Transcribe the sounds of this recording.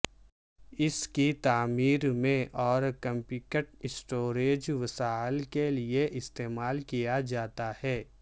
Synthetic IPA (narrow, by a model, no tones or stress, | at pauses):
ɪskit̪aːmiːɾmẽʔɔːɾkɐ̃mpikəʈɪsʈoːɾeːd͡ʒʋɐsaːɪlkelieʔɪst̪eːmaːlkijad͡ʒaːt̪ahɛː